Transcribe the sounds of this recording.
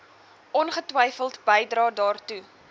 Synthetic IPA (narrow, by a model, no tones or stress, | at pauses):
ʔɔnχətwəjfəlˠtbəjdrɑːdɑːrtu